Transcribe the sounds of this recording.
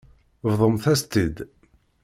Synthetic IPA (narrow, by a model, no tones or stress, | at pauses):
vðˤəmθæst̪id̪